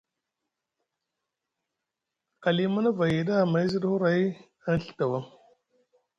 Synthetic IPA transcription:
ka˨li˦ma˦na˦va˨ji˨ɗa˦˨ma˨˦i˦zi˦ɗhu˦ɾa˨˦j | a˦n˦ɬə̥˦ta˨wa˦ŋ

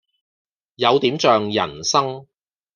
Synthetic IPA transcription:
jɐ˨˧wt̪iː˨˥mt͡ʃœː˨ŋjɐ̰˨˩nsɐ˥ŋ

